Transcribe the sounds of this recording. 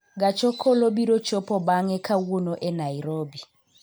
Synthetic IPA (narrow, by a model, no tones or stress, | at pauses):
ɡ̬at͡ʃʰɔkʰɔloɓiɾɔd̥t͡ʃɔpʰɔɓaŋɛkʰawunɔʔɛnajɾoːɓi